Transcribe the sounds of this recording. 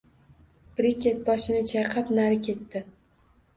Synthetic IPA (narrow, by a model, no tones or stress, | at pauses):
pɾikʲe̞t̪̚bɒʃɪnɪt͡ʃʰajqʰɑpnaɾɪkʲʰe̞t̪ːɪ